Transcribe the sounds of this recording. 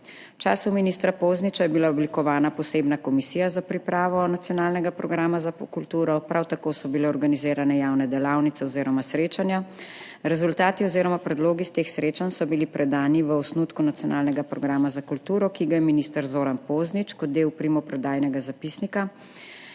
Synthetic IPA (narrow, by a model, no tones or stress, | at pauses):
t͡ʃaːsuminist̪ɾapoznit͡ʃajɛbilaɔblikɔʋaːnapɔseːbnakɔmisijazapɾipɾaːʋɔnat̪sijɔnaːlnɛɡapɾɔɡɾaːmazakult̪uːɾɔpɾawt̪akoːsɔbilɛɔɾɡanizeːɾanɛjaːwnɛd̪ɛlaːwnit̪sɛɔziːɾɔmasɾeːt͡ʃanja | ɾɛzult̪aːt̪iɔziːɾɔmapɾɛd̪loːɡist̪eːxsɾeːt͡ʃansɔbilipɾʔɛd̪aːniʋəɔsnut̪kunat̪sijɔnaːlnɛɡapɾɔɡɾaːmazakult̪uːɾɔkiɡajɛminist̪əɾzoːɾanpoːznit͡ʃkɔt̪̚d̪eːwpɾimɔpɾɛd̪aːjnɛɡazapisnika